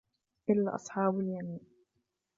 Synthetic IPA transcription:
ʔɪlːaʔɑ̰sˤħɑːbaljamiːn

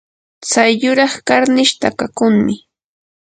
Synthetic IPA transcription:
t͡sajʎʊɾɑχkaɾnɪʃt̪akakʊŋmɪ

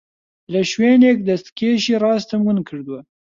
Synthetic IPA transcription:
laʃwenek̚d̪ast̪keʃiɾɑst̪amɡənkʰəɽd̪wa

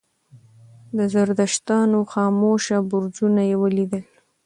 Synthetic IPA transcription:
d̪əzaɾd̪aʃt̪ɑnoxɑmoʃabʊɾd͡ʒunajewəlid̪əl

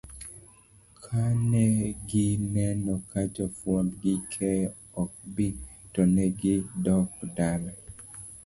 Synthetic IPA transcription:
kʰanɛɡɪnɛnɔkad͡ʒɔfwɔmɡɪkʰɛ | ɔk̚bitɔnɛɡɪdɔkdalɛ

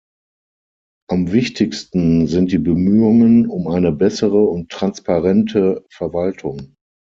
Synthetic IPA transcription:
ʔamvɪçtʰɪçstn̩zɪnt̚d̥iːbəmyːʊŋənʊmʔaɪnəbɛsəʁəʊntʁ̥anspaʁɛntʰəfɛɐvaltʰʊŋ

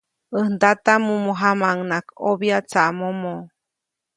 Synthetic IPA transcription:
ənd̪at̪amumoɦamaŋnakobjat͡saʔmomo

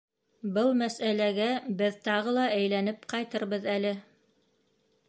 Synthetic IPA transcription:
bɤlˠmæsælæɡæbɘðt̪ɑʁɤlˠɑʔæjlænɘpqɑjt̪ɤɾβɤðælɘ

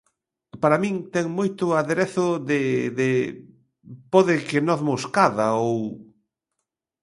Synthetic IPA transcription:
paɾamĩŋt̪ɛŋmojt̪ʊaðeɾeθʊðɪðɪ | poðɪkenɔθmoskaðaow

